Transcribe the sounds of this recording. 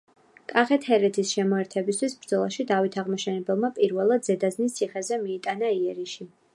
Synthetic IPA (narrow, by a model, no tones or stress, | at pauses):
kʼaχɛt̪ʰhɛɾɛt̪ʰisʃɛmɔɛɾt̪ʰɛbist̪ʰwisbɾd̪zɔlˠa̰ʃid̪avit̪ʰaʁmɔʃɛnɛbɛlˠmapʼiɾvɛlˠad̪zɛd̪aznist̪sʰiχɛzɛmiːt̪ʼanaiɛɾiʃi